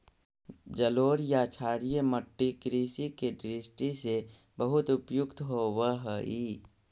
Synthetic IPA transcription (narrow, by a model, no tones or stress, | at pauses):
d͡ʒəloːɾjat͡ʃʰaːɽijeməʈːikɾiːsikeɖɾisʈise | bəɦʊt̪ʊpjʊkt̪ɦoːwəɦəiː